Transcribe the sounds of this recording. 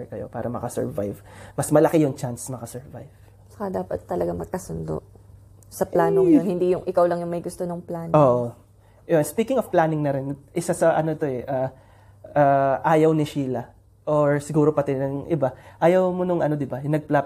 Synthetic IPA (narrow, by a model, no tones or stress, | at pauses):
kɐjo̞̰pa̰ːɾɐmɐkɐsɛ̰ɹva̰jvmɐsmɐlɐkɛjʊŋt͡ʃansmɐkɐsɛɹva̰jv̥ | t͡ʃɐ̥kɐd̪aːpɐt̪ːɐlɐɡamɐɡ̚kɐsʊnd̪o̰ʔ | sɐplaːnoŋjonhɪnd̪ijʊŋʔɪkawlɐŋjʊŋmɐjɡʊst̪onɐŋplaːnoːʔo | ʔospiːkɪŋovplaːnɪŋnɐɾɪnʔɪsasɐʔɐno̞t̪o̞ɛʔaː | ʔaːʔaːjɐwnɪʃiːlɐ | ʔoɹsɪɡuːɾo̞pɐt̪ɛnɐŋʔɪbaʔaːjɐwmonʊŋɐno̞d̪ɪbanɐɡ̚plap